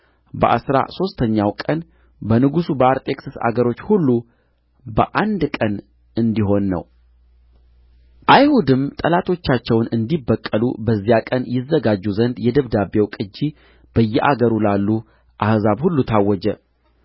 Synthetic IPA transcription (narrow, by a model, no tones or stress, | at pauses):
bə̰ʔa̰sɾa̰so̞st̪ʰəɲːawkʼən | bənɨɡusubəaɾt̪ʼe̞ksɨsa̰ɡəɾo̞t͡ʃːhulːu | bə̰ʔand̪kʼən | ɨnd̪iɦo̞nːə̰w | ʔajhud̪ɨmt̪ʼəlat̪ʰo̞t͡ʃːat͡ʃːɛwnɨnd̪ibːəkʼːəlṵbəzːijakʼənjɪzːəɡad͡ʒːuzənd̪jɛd̪əβd̪abewkʼɨd͡ʒːi | b̥əjːɛʔaɡəɾulalːu | ʔahzaβhulːut̪ʰawːɔd͡ʒɛ